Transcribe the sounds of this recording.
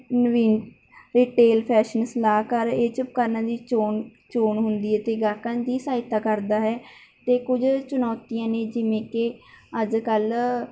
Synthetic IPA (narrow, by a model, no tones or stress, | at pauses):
nʋiːn | ɾiːʈeːlpʰɛːʃənslaːkəɾeːt͡ʃəp̚kaːɾnãːd̪iːoːn | t͡ʃoːnɦʊnd̪iːɦɛːt̪eːɡəːkãːd̪iːsaːɪt̪aːkəɾd̪aːɦɛːt̪eːkʊd͡ʒt͡ʃʊnɔːt̪ijãːneːd͡ʒɪʋẽːkeəd͡ʒkəl